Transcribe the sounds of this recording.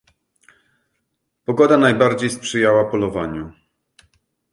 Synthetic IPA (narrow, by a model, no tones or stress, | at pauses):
pɔɡɔd̪anajbaɾd͡ʑejspʂɘjawapɔlɔvaɲu